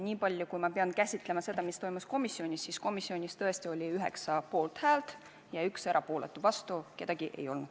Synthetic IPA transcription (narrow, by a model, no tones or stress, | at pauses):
nʲiːpɑlʲjukujmɑpe̞ɑnkæsʲit̪ˑle̞mɑse̞d̪ɑmist̪o̞jmusko̞misːio̞nʲisːisko̞misːio̞nʲist̪ɤ̞e̞st̪io̞lʲiyɦe̞̰ksɑpo̞ːlt̪hæːlt̪ | jɑykse̞ɾʔɑpo̞ːlet̪ːˑuvɑst̪uke̞d̪ɑɡ̥iʔe̞̰jo̞̰lnud̪̥